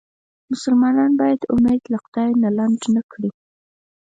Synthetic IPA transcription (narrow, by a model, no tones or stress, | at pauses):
mʊsʊlmɑnɑnbɑjad̪ʊmed̪laqʊd̪̥ɑjnalaɳd͡ʒnakɽi